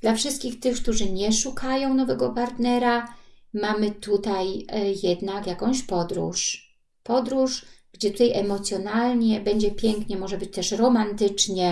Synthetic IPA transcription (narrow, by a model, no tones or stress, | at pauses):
d̪̥lafʂɘst̪̚kʲixt̪ɘxk̚t̪uʐɘɲɛʂukajɔ̃w̃nɔvɛɡɔpaɾt̪nɛɾamamɘt̪ut̪ajjɛd̪nakjakɔ̃w̃ɕpɔd̪ɾṵʂ | pɔd̪ɾuʂɡ̥d͡ʑɛt̪ut̪ajʔɛmɔt̪sʲjɔnalɲɛbɛɲd͡ʑɛpʲjɛŋkɲɛmɔʐɛbɘt͡ɕt̪ɛʂɾɔmant̪ɘt͡ʂɲɛ